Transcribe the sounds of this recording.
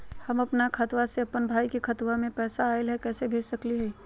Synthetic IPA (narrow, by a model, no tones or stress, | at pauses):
hɐmɐpnakʰɐt̪waseɐpːənbʱaːikikʰɐt̪wamẽpɛːsaːɪlɦɛkɛːsebʱeːd͡ʒsɐkliɦɛ